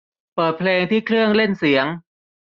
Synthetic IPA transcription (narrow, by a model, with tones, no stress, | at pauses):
pɤː˨˩t̪̚pʰleː˧ŋt̪ʰiː˥˩kʰɾɯ˥˩əŋle˥˩nsi˩˦əŋ